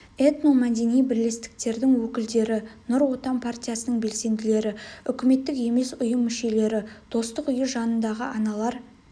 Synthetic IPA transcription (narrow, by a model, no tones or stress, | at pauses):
et̪nomæd̪e̞nijbɪɾle̞st̪ɪ̥k̚t̪e̞ɾd̪ɪŋwɵkʲɪld̪e̞ɾɪnʊɾwo̞t̪ɑmpʰartʲijasənəɴbe̞lse̞nd̪ɪle̞ɾɪʏkʲɪme̞t̪ːɪke̞me̞sʊjəmːʏʃe̞le̞ɾɪd̪̥o̞st̪əqʏjəʒɑnənd̪ɑʁəɑnɑlˠɑɾ